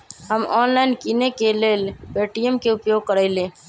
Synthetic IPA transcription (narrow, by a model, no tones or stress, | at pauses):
ɦəmɔnlaɪnkinekelelbeʈijəmkeupjoɡ̚kəɾəɪlẽ